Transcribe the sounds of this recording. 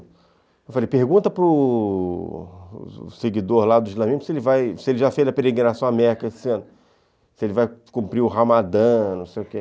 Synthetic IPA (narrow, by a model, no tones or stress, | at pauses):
ewfalejpehɡũt̪ɐpɾʊ | seɡid̪oɾlad̪ʊizlɐ̃miʒmʊsɪelɪvajsɪelɪʒafejzɐpeɾeɡɾinasɐ̃w̃amɛɾikɐesɪɐ̃nʊ | sɪelɪvajkũpɾiʊɦamad̪ɐ̃nɐ̃w̃sejʊke